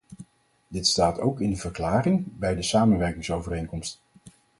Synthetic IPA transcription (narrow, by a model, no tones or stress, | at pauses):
dɪtstaːto̰wkɪndəvəɹklaːrɪŋbɛjdəsaːmənʋɛɹkɪŋsowvərejŋkɔmst